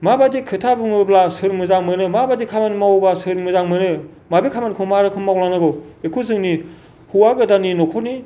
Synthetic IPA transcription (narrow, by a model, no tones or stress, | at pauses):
mabadikʰɯtʰabɯŋɯblasɯɾmɯzaŋmɯnɯmabadikʰamanmawbasɯɾmɯzaŋmɯnɯ | mabikʰamankʰɯmaɾɯkʰɯnmawlanɯɡɯekʰuzɯŋni | huwaɡɯdaninɔkʰɔtni